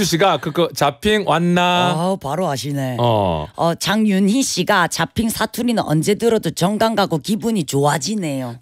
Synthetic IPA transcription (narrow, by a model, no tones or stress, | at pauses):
uɕ̬ʰiɡakɯkɯt͡ɕapʰiŋwanːapaɾoaɕʰineʌ̰ʌt͡ɕaŋɲjunçiɕ͈iɡat͡ɕapʰiŋsʰatʰuɾinɯnʌ̰nd͡ʑe̞dɯɾʌdot͡ɕʌŋɡaŋɡaɡokibuɲit͡ɕoad͡ʑine̞jo